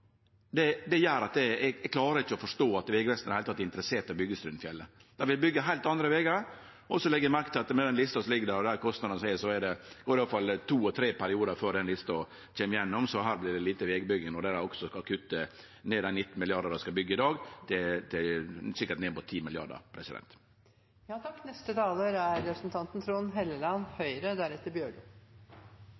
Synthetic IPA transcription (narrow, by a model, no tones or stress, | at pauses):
d̪ɛd̪ɛjøːɾɑt̪̚d̪ɛɛɡɛkʰlɑːɾəɾɪçːəɔfɔʂʈoːɑt̪ʋeːɡəʋɛst̪n̩d̪hæɪlt̪ʰɑt̪ːɛɪnt̪əɾəseːʈ̪ɔbʏɡːəsɾʉnfjɛlːəd̪̥ɛʋɪlbʏɡːəɦæɪlt̪ɑnd̪ɾəʋeːɡəɾ | ʔɔsɔlɛɡəjæmæɾkt̪ʰɪlɑt̪mɛd̪ɛnlɪst̪ɑsɔlɪɡːədæɾd̪æːɾkʰɔst̪nɑd̪ənəsæɪəsɔɛdɛɡ̥oːɾɪʋɑːfɑlːt̪ʰuːɔt̪ʰɾeːpʰæɾɪuːd̪əɾføːɾɖɛnlɪst̪ɔ | c͡çʰeːmɪjɛnːɔmsɔɦæːɾblɪd̪ɛliːt̪əʋeːɡəbʏɡəŋnɔd̪ɛd̪æɾɔksɔkɑkʰʉt̪ːə | neːd̪ɛnɪt̪ːn̩mɪlɪɑɾd̪əd̪ɛskɑbʏɡːəɪd̪ɑːɡd̪ɛt̪ʰɛsɪkːəʈneːmuːt̪ʰiːmɪlɪɑ̰ɖə̰ɾpʰɾɛsɪd̪ɛ̰nt̪ | jɑːt̪ʰɑkːnɛst̪ət̪ʰɑːləːɾæɾːɛpɾəsn̩t̪ʰɑnt̪n̩t̪ʰɾuːnɦɛləlɑnhœʏɾəd̪æɾɛt̪ːəɾbjøːɖʉ